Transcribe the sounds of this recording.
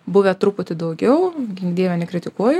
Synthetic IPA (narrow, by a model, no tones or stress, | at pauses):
bʊʋʲɛt̪ɾupʊt̪ʲɪd̪ɐʊɡʲɛʊɡʲɪŋɡd̪ʲiːʋʲɛnʲɛkɾʲɪt̪ʲɪkuɔjʊ